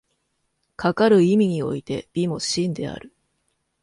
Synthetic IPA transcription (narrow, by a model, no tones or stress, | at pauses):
kakaɾɯ̟imʲiɲ̟io̞̰it̪e̞b̥ʲimo̞ɕĩnd̪e̞̰a̰ɾɯ̟